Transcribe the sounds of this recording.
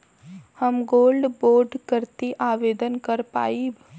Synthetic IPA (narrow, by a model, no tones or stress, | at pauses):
həmɡoːlɖboːɾɖkəɾt̪iʔaːʋeːd̪ənkəɾpa̰ːib